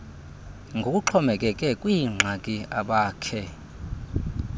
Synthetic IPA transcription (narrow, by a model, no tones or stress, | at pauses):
ŋɡʱokʼuǃʰɔmɛkʼɛkʼɛkʼwiːŋ͡ǃʱakʼiaɓaːkʰɛ